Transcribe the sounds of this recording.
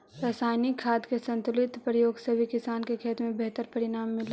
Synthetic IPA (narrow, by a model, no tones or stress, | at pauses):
ɾaːsaːjnɪkʰːaːd̪kesɐ̃nt̪ʊlɪt̪pɾəjoːɡsəbʱikɪsaːnkekʰeːt̪mẽbɛɦt̪əɾpɐɾɪnaːmːɪl